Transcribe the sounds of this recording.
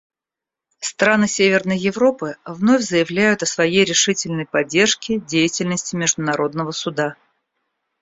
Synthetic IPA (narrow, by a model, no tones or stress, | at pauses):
st̪ɾanɨsʲevʲɪrnəjjɪvɾo̞pɨvno̞fʲzəjɪvlʲæjʊt̪ɐsvɐjejɾʲɪʂɨtʲɪlʲnəjpɐdʲːe̞rʂkʲɪdʲejɪtʲɪlʲnəsʲtʲɪmʲɪʐd̪ʊnɐɾo̞d̪̚nəvəsʊd̪a